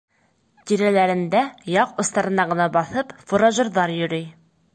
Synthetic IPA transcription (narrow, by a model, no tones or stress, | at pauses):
t̪iɾælæɾɘ̆nd̪æjɑqŏst̪ɑɾɤ̆nɑʁɤ̆nɑbɑθɤpfŏɾoʒɤ̆ɾðɑɾjɵ̆ɾɘj